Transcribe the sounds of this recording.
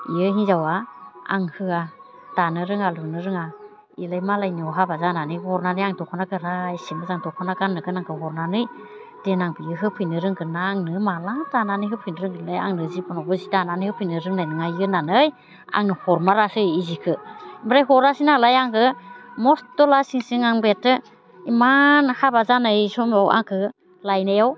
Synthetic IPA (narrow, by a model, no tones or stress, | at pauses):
iɯɦizawaa̰ŋhɯa | d̥anɯɾɯŋalunɯɾɯŋa | ilajmalajniɔɦabazananɯhɔɾnanɯjaŋtɔkʰɔnaɡɯɾajsemɯzaŋtɔkʰɔnaɡanːɯɡɯnaŋkʰɯɦɔɾnanɯj | d̥enaŋbiɯɦɯpʰɯjnɯɾɯŋɡɯnaːŋnɯmalatananɯjɦɯpʰɯjnɯɾɯŋɡɯnlaja̰ŋnɯzibɔnɔbɯzidananhɯpʰɯjnɯɾɯŋnajnɯŋajɯnanɯj | a̰ŋnɯhɔɾmaɾasɯizikʰɯbɾajɦɔɾnasinalajaŋkɯmɔstɔlasiŋsiŋaŋbetɯ | imanhabazanɯjsɔmawʔa̰ŋkʰɯ | lajnajaw